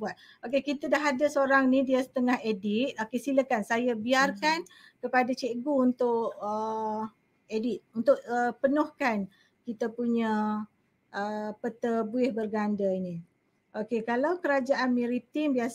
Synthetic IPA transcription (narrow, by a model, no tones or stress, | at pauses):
buat̪̚ | okekit̪adaɦadasəoɾaŋnidiəsə̥t̪əŋahedit̪̚okesiləkansajabiarkan | kəpadat͡ʃeʔɡuunt̪ʊʔə | edit̪̚unt̪ʊʔəpənʊhkan | kit̪apuɲə | ʔəpət̪əbuɪhbərɡandəini | ʔokekalawkəɾad͡ʒaʔanmɛɾit̪imbia